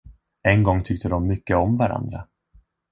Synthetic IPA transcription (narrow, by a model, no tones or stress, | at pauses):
ɛnɡɔŋːt̪ʰʏk̚t̪əd̪ɔmːʏkːəɔmvaɾa̰nd̪ɾa̰